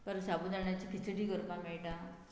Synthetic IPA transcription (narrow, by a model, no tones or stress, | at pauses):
pəɾsabuːd̪aɳjat͡ɕikʰit͡sɽiːɡʱəɾpãmɛɭʈã